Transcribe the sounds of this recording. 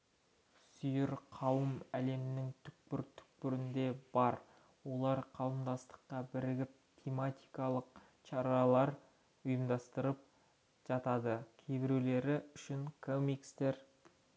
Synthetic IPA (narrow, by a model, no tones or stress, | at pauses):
sʏjɪɾqʰɑwəmæle̞mɪnɪŋt̪ʰʏ̥k̚pɪɾt̪ʰʏ̥k̚pɪɾɪnd̪e̞bɑɾ | wo̞lˠɑɾqʰɑw̪ˠəmd̪ɑst̪ə̥qːɑbɪɾɪɡʲɪp̚t̪ʲʰe̞mat̪ʲijkɑlˠəq̚ | ʃɑɾɑlˠɑɾ | ʊjəmd̪ɑst̪əɾəp̚ | ʒ̥ɑt̪ɑd̪əkʲʰebɪɾule̞ɾɪʏʃɪŋkʰomikst̪e̞ɾ